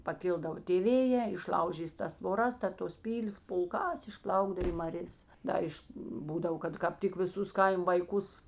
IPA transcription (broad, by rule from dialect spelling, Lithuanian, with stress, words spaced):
pɐˈkʲɪlˠdɐʋoː tʲeː ˈʋʲeːjɛː ɪʃˈlˠɐʊʒʲiːs tɐs tʋoːˈrɐs tɐ toːs ˈpʲiːlʲeːs pʊlˠˈkɑːs ɪʃˈplˠɐʊɡdɐw iː mɐrʲeːs ˈdɐ ɪʃ ˈbuːdɐʋoː kɐt ˈkɐp tʲɪk ʋʲɪˈsʊs ˈkɐɪm ʋɐɪˈkʊs